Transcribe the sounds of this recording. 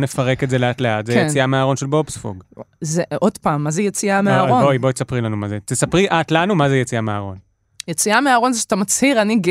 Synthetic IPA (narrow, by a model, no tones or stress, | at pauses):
nefaʁe̞ketzeleatleatzejet͡siameaʁo̞nʃelbopsfo̰ɡzeodpaːmːazejet͡siameaaʁonbojibojt̪esapʁilanumazet̪esapʁiʔatlanumazejet͡siamea̰ʁo̞n | jet͡siameaːʁo̞nzeʃatamat͡shiʁaniɡ